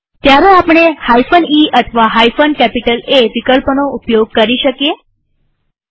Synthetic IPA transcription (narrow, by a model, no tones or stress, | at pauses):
t̪jaɾəapɳehajfəniːʔət̪ʰəʋaɦajfənkæpiʈəleʋikəlpənoupjoɡ̚kəɾiɕəkje